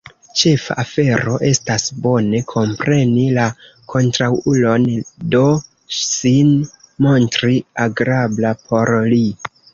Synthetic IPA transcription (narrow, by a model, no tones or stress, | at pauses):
t͡ʃe̞fa̰ʔːfe̞ɾo̞ʔe̞stasbo̞ne̞kʰo̞mpɾʔe̞nila | kʰo̞ntɾawulo̞ndo̞ | sinmo̞ntɾiaɡɾablapʰo̞ɾli